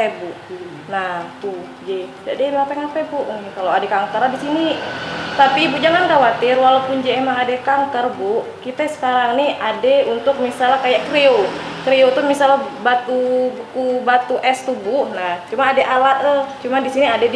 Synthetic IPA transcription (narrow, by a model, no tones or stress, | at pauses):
ebuʔ | nat̪u | d͡ʒɛdadɛbeapeŋapɛbuʔnikaloadɛkaŋkəɾadisinit̪apibuʔd͡ʒaŋankawat̪ɪrwalapund͡ʒeːmaŋadɛkaŋkərbuʔkit̪ɛsə̥kaɾaŋniadɛunt̪ʊk̚misalakajaʔkɾeo | kɾeot̪umisalabat̪ubkubat̪uʔɛst̪ubunaht͡ʃumanadɛʔalaət͡ʃumandisiniadɛd